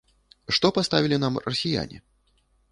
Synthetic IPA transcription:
ʂt̪ɔpast̪avʲilʲin̪amrɐsʲija̰nʲḭ

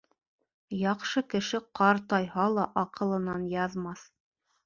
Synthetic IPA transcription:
jɑqʃɤkɘ̆ʃɘqɑɾt̪ɑjhɑlˠɑʔɑqɤ̆lˠɤ̆nɑnjɑðmɑθ

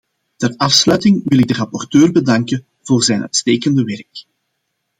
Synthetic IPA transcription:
tɛrɑfslœːɥtɪŋʋɪlɪɡ̚dərɑpɔrtøːrbədɑŋkə | v̥oːrzɛːnʔœ̰ɥtsteːkəndəʋɛrk

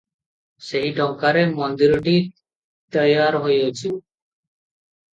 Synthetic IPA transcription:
seɦiʈɔ̃ŋkaɾemɔnd̪iɾɖi | t̪əjaɾɦojot͡ʃʰu

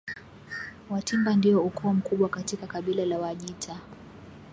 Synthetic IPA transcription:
watimbandiɔukʰɔːm̩kuɓwakatikakaɓilalawaʄitʰa

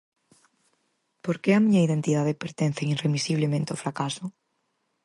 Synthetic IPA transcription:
poɾkeamiɲɐiðent̪iðaðepeɾt̪en̟θeiremisiβlemẽnt̪eofɾakasʊ

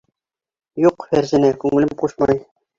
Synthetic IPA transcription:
juqfæɾzɘ̆nækʉŋɘlɘmquʃmɑj

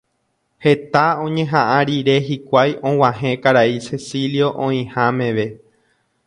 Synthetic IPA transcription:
he̞t̪aõ̞ɲẽ̞ɦãʔãɾiɾe̞ɦikʷajʔõ̞w̃ãɦẽ̞kaɾaisesiljo̞ʔõĩhãmẽ̞ʋe̞

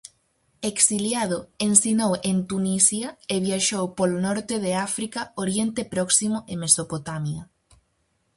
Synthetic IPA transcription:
eksiljaðʊensinowʔent̪unisjɐeβjaʃowpolonɔɾt̪eðeafɾikɐoɾjent̪epɾɔksimʊʔemesopot̪amjɐ

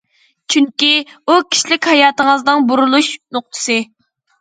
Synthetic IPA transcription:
t͡ʃʰyŋkʲiukʲʰi̥ʃilɪkʲhɑjɑːt̪əŋəznɨŋbuɾulˠuʃnoq̚t̪ʰɨ̥sɨ

